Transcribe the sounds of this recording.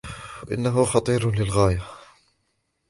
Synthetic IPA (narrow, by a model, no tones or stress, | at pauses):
aʔɪ̰nːaɦʊxɑt̪ˤiːɾlɪlɣaːja